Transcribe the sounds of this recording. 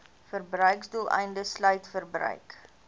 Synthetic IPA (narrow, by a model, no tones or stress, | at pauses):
fərbrœɥksdulˠɛ̰jndəslœɥtfərbrœ̰ɥk